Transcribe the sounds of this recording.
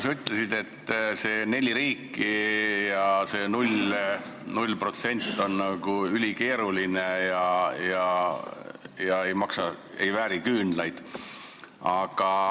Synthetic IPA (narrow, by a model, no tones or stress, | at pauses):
syt̪ːˑlesid̪e̞t̪ːse̞ːne̞lʲːiɾiːkːˑijɑse̞ːnulʲ | nulʲpro̞t̪se̞nʲt̪ːˑo̞nːɑɡ̥uylʲike̞ːɾuline̞jɑjɑ | jɑe̞jmɑksɑ | e̞jvæːɾikyːnlɑjd̪̥ | ɑɡ̥ɑ